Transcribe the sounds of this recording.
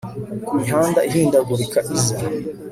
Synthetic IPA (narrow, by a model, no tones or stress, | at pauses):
miɦaːndaʔiɦiːndaɡuɾikaʔiza